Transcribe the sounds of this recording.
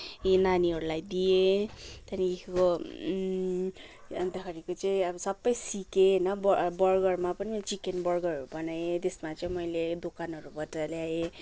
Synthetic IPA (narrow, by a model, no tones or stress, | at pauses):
enaniɦʌɾulajd̪ijet̪ʌniekʰeko | ʌnt̪akaɾikot͡saĩʌbʌsʌbːʌjsikenʌbbʌrɡʌrmapʌnit͡ʃikenbʌrɡʌrɦʌɾubʌnajet̪esmat͡sʌĩmʌjled̪okanɦʌɾubʌtaljae